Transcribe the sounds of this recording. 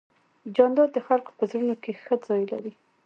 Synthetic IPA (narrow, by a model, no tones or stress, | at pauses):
d͡ʒɑnd̪ɑd̪̚d̪əxalko̥pəzɾənokexəd͡zɑjla̰ɾi